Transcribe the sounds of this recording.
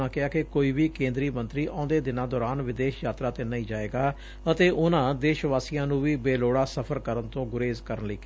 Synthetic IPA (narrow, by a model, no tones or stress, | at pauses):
ãːkɪaːkɪkoːiːʋiːkẽːnd̪ɾiːmənt̪ɾiːʔãːnd̪eːd̪ɪnãːd̪ɔːɾaːnʋɪd̪eːʃjaːt̪ɾaːt̪eːnaiːd͡ʒaːeːɡaː | ət̪eːʔʊnãːd̪eːʃʋaːsijãːnũːʋiːbeːloːɽaːsəpʰəɾkəɾənt̪õːɡʊɾeːzkəɾənləiːk